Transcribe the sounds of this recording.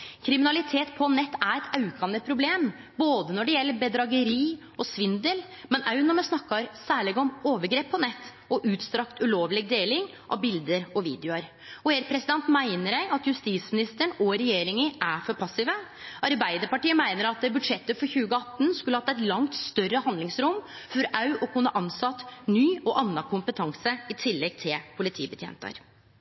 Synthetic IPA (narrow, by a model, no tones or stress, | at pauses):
kʰɾɪmɪnɑlɪt̪ʰeːt̪pʰɔnɛt̪ːæɾɛt̪ʰɑʉkʰɑnəpʰɾʊbleːm | boːd̪ənɔɖɛjɛlːəbɛd̪ɾɑɡəɾiː | ɔsʋɪnd̪əl | mɛnɑʉnɔɾmɛsnɑkːɑɾsæːɭɪɡɔmoːʋəɾɡɾeːpʰːɔnɛt̪ː | ɔʔʉːt̪st̪ɾɑkt̪ʉloːʋlɪɡ̚d̪eːlɪŋ | ʔɑ̰ʋbɪld̪əɾɔʋḭːd̪jʊɑɾ | ɔeːɾpʰɾɛsɪd̪ɛnt̪mæɪnəɾæɪʔɑt̪jʉst̪iːt̪smɪnɪst̪əɳɔɾɛjeːɾɪŋəʔæfɔɾpʰɑsɪʋə | ʔɑɾbæɪd̪əɾpɑʈiːəmæɪnəɾɑt̪̚ːɛbʉd̪ʂɛt̪ːəfɔɾçʉːɡəɑt̪ːn̩skʉlːəhɑt̪ːæɛt̪lɑŋt̪st̪œrːəhɑnd̪lɪŋsɾʊmfɔɾɑʉʔɔkʰʉnːəʔɑnsɑt̪ːnyːɔʔɑnːɑkʰʊmpət̪ʰɑŋsəɪt̪ʰɪlːɛɡ̚t̪ʰɪlpʰʊlɪt̪ʰḭːbət̪ʰjḛːnt̪ə̰ɾ